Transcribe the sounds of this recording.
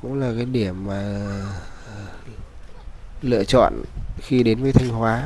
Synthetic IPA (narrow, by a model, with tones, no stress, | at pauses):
kʊ̰˧˥ŋ͡mlaː˨˩kaː˨˦jɗi˧˩əmːaː˨˩˨ | lɨ̰˧˨ət͡ɕɔ̰˧˨nxi˧ɗe˨˦nvəː˨˦jt̪ʰa˧jŋ̟hwaː˨˦